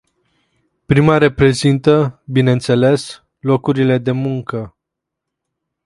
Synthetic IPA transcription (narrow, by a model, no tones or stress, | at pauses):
pɾimaɾe̞pɾe̞zint̪əbinent̪se̞le̞s | lo̞kuɾile̞d̪e̞muŋkə